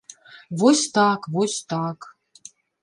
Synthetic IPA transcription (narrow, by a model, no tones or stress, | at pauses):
vosʲt̪ɑkvosʲt̪ɑk